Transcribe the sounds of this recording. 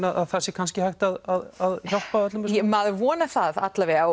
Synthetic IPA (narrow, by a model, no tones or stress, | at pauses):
naðaðθɛsːɪkʰanscɪhajht̪aðaðaðçɔwlpavœt̪lʏmmaðʏvɔːnaθaða̰t̪lavɛa